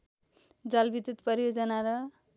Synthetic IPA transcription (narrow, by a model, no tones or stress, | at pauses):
d͡zʌlbid̪ut̪pʌɾijod͡zʌnaɾʌ